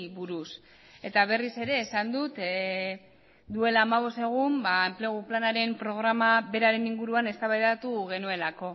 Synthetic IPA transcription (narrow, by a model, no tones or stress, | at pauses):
βuɾus | e̞t̪aβ̞e̞rise̞ɾe̞ːsand̪ut̪ | d̪ue̞laːmaβ̞o̞st̪e̞ɣ̞umbaemple̞ɣ̞uplanaɾe̞mpɾo̞ɣ̞ɾamaβe̞ɾaɾe̞niŋɡuɾuane̞st̪aβajðat̪uɣe̞nue̞lako̞